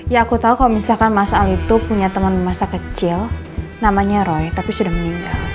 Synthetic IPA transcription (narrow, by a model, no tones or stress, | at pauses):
jaːkut̪aukalomisalkanmasaːlit̪upuɲat̪əmənəmasakət͡ʃɪl | namaɲaɾɔjt̪apisudahməniŋɡal